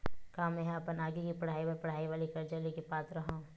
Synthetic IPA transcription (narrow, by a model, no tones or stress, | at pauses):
kãːmɛ̃ːɦɐpənaːɡikipɐɽ̤aːiʋapɐɽ̤aːiʋaːlikɐɾd͡ʒalikipaːt̪ɾɐɦã